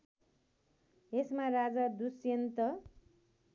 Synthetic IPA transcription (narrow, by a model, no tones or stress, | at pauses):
esmarad͡zad̪usjent̪ʌ